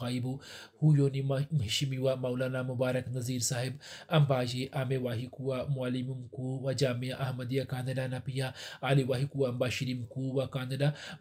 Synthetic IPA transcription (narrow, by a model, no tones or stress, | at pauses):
ɣaibuhujoːnimɦiʃimiwamɐwlaːnamubaːɾɐknɐziːɾsaːɦibɐmbaːd͡ʒeʔaːmewaːɦikuwamualimumkuwad͡ʒaːmijaʔɐhmɐd̪ijakaːnɐdanɐpijaaːliwaɦikuwaɐmbaːʃiɾimkuwakaːnɐda